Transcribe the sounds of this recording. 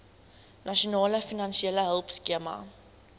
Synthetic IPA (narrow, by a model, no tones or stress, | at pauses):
nɐʃonɑːləfinɐnʃieləɦəlˠpskiəmɐ̰